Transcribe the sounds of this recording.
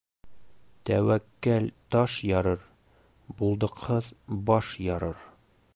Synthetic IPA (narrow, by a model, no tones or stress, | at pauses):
t̪æwækːælt̪ɒʃjɒɾɤɾ | bulˠd̪ɤ̆qhɤðbɒʃjɒɾɤɾ